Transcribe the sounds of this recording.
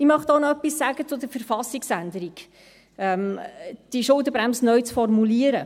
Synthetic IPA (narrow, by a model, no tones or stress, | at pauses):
imɑχt̪onɔœpːisːæɡət͡sʊd̪əfəɾfɑsːiksænd̪əɾiɡ | ɛmd̥iʃʊld̪əbɾæmsənœɥt͡sfɔrmuliəɾə